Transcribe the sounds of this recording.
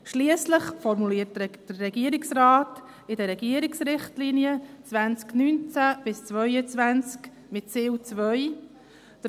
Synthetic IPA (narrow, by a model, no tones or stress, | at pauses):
ʃliəsləχfɔɾmuliːətd̥əːɛɡiəɾɪksɾaːt | ɪdəɾɛɡiəɾɪksɾɪχtliniət͡sʋænsknyːnt͡sæb̥ɪst͡sʋœʏət͡sʋænt͡sk | mɪtt͡seːwt͡sʋœj | d̪̥ə